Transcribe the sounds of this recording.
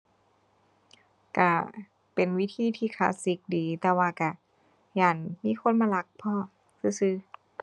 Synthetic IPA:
ka˧˩ | pe˨˩nwi˦˥t̪ʰiː˧˩˨t̪ʰiː˧˩kʰaː˧˥si˨˦k̚diː˨˦t̪ɛː˧waː˧˩ka˧˩ | jaː˧˩nmiː˧˥˨kʰo˧˥˨nmaː˧la˧˦k̚pʰɔː˧˥˨ | sɯː˧˩sɯː˧˩

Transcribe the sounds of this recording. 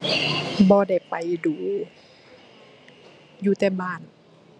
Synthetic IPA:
bɔː˧˦da˧˥˩jpa˨jduː˨˦ | juː˧˦t̪ɛː˧˩baː˧˥˩n

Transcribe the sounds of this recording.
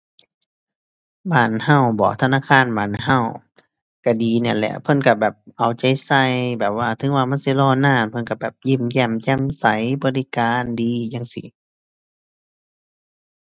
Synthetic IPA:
baː˧˩nha˧˩˨wbɔ̰ː˨t̪ʰa˧naː˧˥˨kʰaː˧˥˨nbaː˨nɦa˧˥˩w | ka˧˩diː˨˦na˧˩˨nlɛ̰˧ʔpʰɤ˧˥˨nka˧˩bɛː˨˩p̚ʔa˨˩wt͡ɕa˧˦jsa˧˩˨jbɛː˨˩p̚waː˧˩t̪ʰɯ˧˦ŋwaː˧˨ma˧˥˨nsi˧˦lɔː˧˨naː˧˨npʰɤ˧˥˨nka˧˩bɛː˨˩p̚ji˧˩˨mjɛ˧˩mjɛː˧˥˨msa˨˦jbɔː˧˦li˧˩˨kaː˧˨ndiː˧jaː˧˥˨ŋsḭ˧˩˦

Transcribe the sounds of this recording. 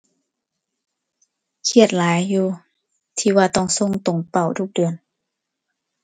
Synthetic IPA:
kʰi˧˩ət̪̚laː˨˦jːuː˧˩ | t̪ʰiː˧waː˧t̪ɔ˧˩ŋso˧˨ŋt̪o˨˩ŋpa˧˩wt̪ʰu˧˩k̚dɯ˨˩ən

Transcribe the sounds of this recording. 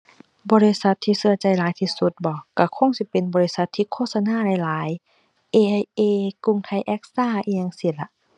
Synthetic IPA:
bɔː˧li˧sa˧˦t̪ʰːiː˧sɯ˧˨ɐt͡ɕa˧˩jlaː˨˦jt̪ʰiː˧su˧˦t̪̚bɔː˧˦ka˧˩kʰo˧˥˨ŋsi˧˦pe˨nbɔː˨˧li˧sa˧˦t̪ʰːiː˧˨kʰoː˧˥˨t̪̚sa˧naː˧˥˨la˨˧jlaː˨˦j | ʔeː˧ʔa˧jʔeː˧˩ku˧˩˨ŋt̪ʰa˧jʔɛ˦˥k̚saː˧˥˨ʔiː˧a˧ŋsi˧˩la˧˦ʔ

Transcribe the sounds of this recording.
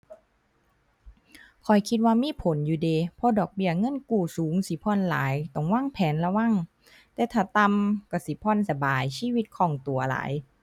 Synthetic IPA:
kʰɔ˨˩jkʰi˧t̪̚waː˧miː˧˥˨pʰo˨˦njuː˧˦deː˧pʰɔ˧dɔː˨˩k̚bi˧˩ɐŋɤ˧˥˨nkuː˧˩suː˨˦ŋsi˨˦pʰɔː˧˥˨nla̰ː˨˦jt̪ɔ˧˩ŋwaː˧˥˨ŋpʰɛː˨˦nla˧wa˧˨ŋ | t̪ɛː˧˩t̪ʰaː˧˩t̪a˧mkɔ˧˩si˨˦pʰɔː˧˨nsa˧baː˨˩jsiː˧˥˨wi˧t̪̚kʰɔː˧˩ŋt̪u˨˩ɐla̰ː˨˩˦j

